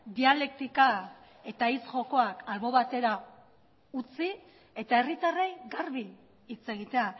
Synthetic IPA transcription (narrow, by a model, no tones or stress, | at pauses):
d̪iale̞k̚t̪ika | e̞t̪ait͡sʝo̞ko̞akalβo̞βat̪e̞ɾa | ut͡si | e̞t̪ae̞rit̪arejɡaɾβiː | t͡se̞ɣ̞it̪e̞a